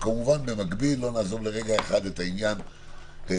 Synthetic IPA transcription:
kamuvanbe̞maɡbilːo̞naːzovleʁe̞ɡaeχad̪etainjan

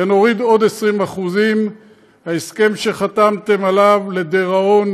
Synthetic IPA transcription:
eno̞ʁid̪o̞d̪esʁimaχuzim | haeske̞mʃe̞χat̪amt̪e̞malavle̞d̪eʁao̞n

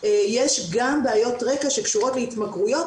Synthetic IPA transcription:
jeʃɡambeajo̞tʁekaʃe̞kʃuʁo̞tleit̪makʁujo̞t

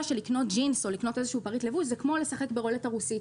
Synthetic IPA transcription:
aʃe̞likno̞t̚d͡ʒinso̞likno̞te̞zeʃuuːpaʁitlevuʃzekmo̞lesaχe̞kbeʁo̞letaʁusit

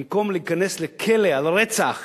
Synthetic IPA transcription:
mko̞mleːkane̞slekʰelealʁet͡saχ

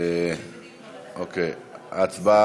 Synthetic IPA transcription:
e | oke | atba

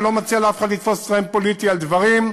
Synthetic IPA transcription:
lo̞mat͡sialafe̥χad̪lit̪fossʁempolit̪iald̪vaʁim

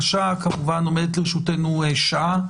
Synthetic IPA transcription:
ʃakamuvanomed̪et̪leʁeʃutenueʃaa

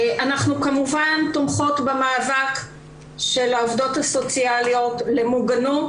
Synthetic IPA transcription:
ʔanaχnukamuvantomχo̞tbemaːvak | ʃe̞laovdo̞taso̞t͡sialio̞tle̞muɡanut

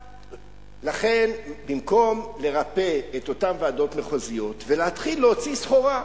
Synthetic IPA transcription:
laχe̞nbimko̞mle̞ʁape̞eto̞tamvaːdo̞tmeχozijo̞tveleatχilːeot͡sisχo̞ʁa

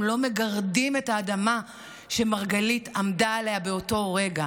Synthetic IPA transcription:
lo̞me̞ɡaʁdimetaːdama | ʃe̞maʁɡalitamdaalehabe̞o̞to̞ʁe̞ɡa

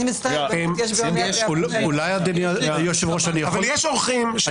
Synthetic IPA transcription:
imst̪amjʃululajad̪eniajoʃevʁoʃanijaχvaoljeʃoʁχimʃ

